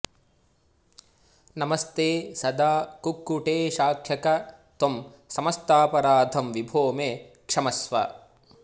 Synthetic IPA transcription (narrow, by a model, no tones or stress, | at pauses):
nɐmɐst̪eːsɐd̪aːkukːuʈeːʃaːkʰjɐkɐt̪om | sɐmɐst̪aːpɐɾaːd̪ʱɐmʋibʱoːmeːkʂɐmɐsʋɐ̰